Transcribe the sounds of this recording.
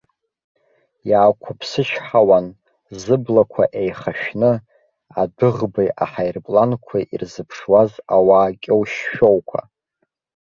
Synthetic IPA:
jaːkʷʰʊpʰsɨʃħawan | zɨblakʷʰa̰ʔejχaʃᶣnɨ | adɨʁbajʔaħajrpʼlankʷʰaʔirzɨpʰʂwazawaːkʲʼowʃːowkʷʰa̰

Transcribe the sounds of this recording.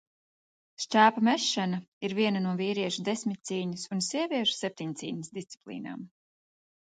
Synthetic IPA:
ʃt͡ʃæːpamɛʃːanaiɾviɛnanuɔviːɾiɛʃud̪esmʲit̪̚ʲt̪siːɲusunsiɛvʲiɛʃu̥sɛp̚t̪iɲt̪siːnəsd̪ist̪si̥plˠḭːna̰ːm

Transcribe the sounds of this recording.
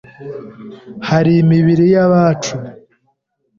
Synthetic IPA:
haɾiːmiβiɾijaβaːt͡ʃu

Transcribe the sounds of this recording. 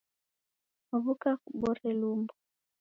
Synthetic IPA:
aβukakuɓɔɾɛlumbɔ

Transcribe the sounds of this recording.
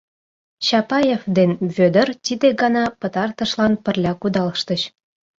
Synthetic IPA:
t͡ɕɑpɑjefd̪enβød̪ə̆rt̪ʲid̪eɡɑnɑpə̆t̪ɑrt̪ə̆ʃlɑnpə̆rlʲɑkud̪ɑlʃt̪əɕ

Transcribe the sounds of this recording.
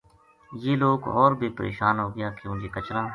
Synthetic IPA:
jeːloːɡɔːɾbʱiːpəɾʔḛːʃaːnɦoːɡəjaːkjõːd͡ʒeːkət͡ʃlãː

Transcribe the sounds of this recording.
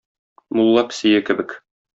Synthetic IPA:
mulˠːɑpsijɘkɘ̆bɘk

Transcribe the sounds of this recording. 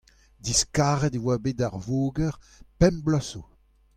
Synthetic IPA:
diskaːʁɛdewaːbeːdaʁvoːɡɛʁ | pɛ̃mblɔso

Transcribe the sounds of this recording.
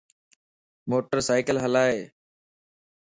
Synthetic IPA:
moːʈəɾsaːɪkəlɦəlaːɦeː

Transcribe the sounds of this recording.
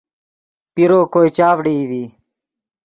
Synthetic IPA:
piɾoːkoːit͡ɕaːʋɽid̪iː

